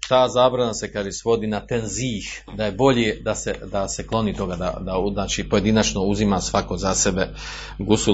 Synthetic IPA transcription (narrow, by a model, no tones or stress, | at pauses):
t̪aːzaːbɾanase̞kaːʒesʋo̞d̪iːnat̪enziːh | d̪aje̞bo̞ʎed̪ased̪ase̞klˠo̞nit̪o̞ɡad̪a̰d̪anaːt͡ʃipo̞je̞d̪inat͡ʃno̞uzimasʋako̞zase̞be̞ | ɡusu